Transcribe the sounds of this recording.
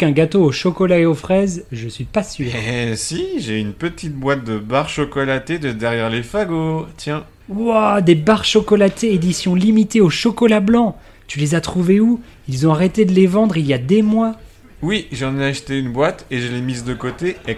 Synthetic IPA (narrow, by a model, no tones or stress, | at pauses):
ɛ̃ɡat̪oːʃɔkɔlaeofχɛzʒəsɥipasyːʁsiʒeynpət̪it̪̚bwat̪̚d̪əbaʁʃɔkɔlat̪ed̪əd̪ɛʁjɛʁlefaɡot̪jɛ̃ | wad̪ebaʁʃɔkɔlat̪eːd̪isjɔ̃limit̪eoʃɔkɔlablɑ̃ | t̪ylezat̪χuveu | ilzɔ̃aʁet̪ed̪əlevɑ̃d̪ʁiljad̪emwa | wiʒɑ̃neaʃt̪eynbwat̪eʒəlemizd̪əkot̪e